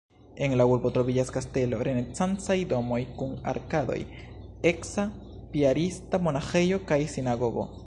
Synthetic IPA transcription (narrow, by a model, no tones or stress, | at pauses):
e̞ŋlauɾbo̞t̪ɾoviɟaskaste̞lo̞ɾenet͡sant͡sajd̪o̞mo̞jkuna̰ɾkad̪o̰j | e̞ksa | piaɾistamo̞naxejo̞kajsinaɡo̞ɡo̰